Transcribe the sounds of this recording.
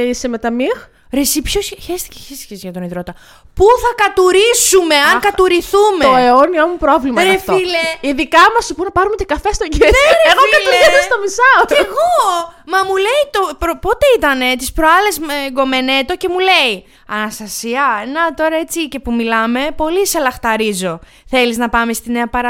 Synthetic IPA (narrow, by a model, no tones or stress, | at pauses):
seme̞t̪ɐmix | ɾesipçosçest̪i̥ceçest̪i̥çesʝɐt̪oniðɾo̞t̪ɐ | puθɐkɐt̪uɾisume̞ɐŋkɐt̪uɾiθumeoeoniɐmupɾovlimɐɾeffileiðikɐmɐssupunɐpɐɾumet̪ikɐfest̪oɟeɾeeɣokɐt̪uɾzɐsɐst̪omisɐceɣomɐmule̞it̪opɾopo̞t̪e̞it̪ɐne̞t̪i̥spɾoɐle̞zmeɡo̞me̞ne̞t̪o̞ce̞mule̞i | ɐnɐst̪ɐsiɐnɐt̪o̞ɾɐe̞t͡sice̞pumilɐme̞po̞liselɐxt̪ɐɾizo̞ | θe̞liznɐpɐme̞st̪ine̞ɐpɐɾɐ